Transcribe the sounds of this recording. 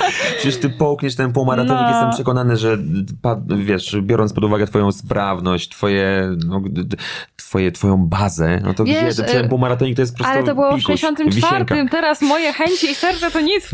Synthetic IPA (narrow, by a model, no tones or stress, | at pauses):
pʂɛt͡ɕɛʂt̪ɘpɔwkɲɛʂt̪ɛnp̬uwmaɾat̪ɔɲikkjst̪ɛmpʂɛkɔnanɛʐɛpavʲjɛʂbʲjɔɾɔnt̪pɔd̪uvaɡɛt̪fɔjɔ̃w̃zpɾʔavnɔɕt͡ɕt̪fɔjɛnɔ | t̪fɔjɛt̪fɔjɔ̃w̃bazɛnɔ̰t̪ɔɛʂt̪ɛnpuwmaɾat̪ɔɲikt̪ɔjɛspɔpɾɔstlɛut̪ɔbɨwɔeɕɔnt̪ɨmvʲifaɛɾkaɨmt̪ɛɾasmɔjɛxɛɲt͡ɕiisɛɾt̪sɛt̪ɔɲis